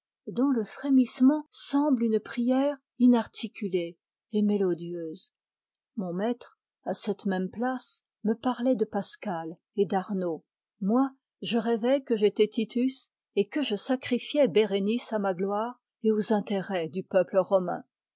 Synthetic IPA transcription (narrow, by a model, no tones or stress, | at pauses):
d̪ɔ̃ləfχemismɑ̃sɑ̃blynpχijɛʁ | inaʁt̪ʰikʲyle | emelɔd̪jøːz | mɔ̃mɛt̪χ | asɛt̪mɛmplas | məpaʁlɛd̪əpaskal | ed̪aʁno | mwa | ʒəʁɛvɛkəʒet̪ɛt̪it̪ʰys | ekəʒəsakχifjɛbeʁenisamaɡlwaːʁ | eozɛ̃t̪eʁɛd̪ypœpləʁɔmɛ̰̃